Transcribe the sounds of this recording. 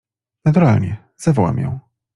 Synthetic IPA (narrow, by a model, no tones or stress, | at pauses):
nat̪uɾalɲɛ | z̥avɔwɛ̰mjɔ̰̃w̃